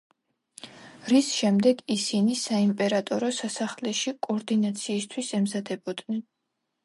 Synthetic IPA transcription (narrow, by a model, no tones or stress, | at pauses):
ɾisʃɛmd̪ɛɡisinisaimpʼɛɾat̪ʼɔɾɔsasaχlɛʃikʼɔɾd̪inat̪sʰiːst̪ʰwisɛmzad̪ɛbɔd̪nɛn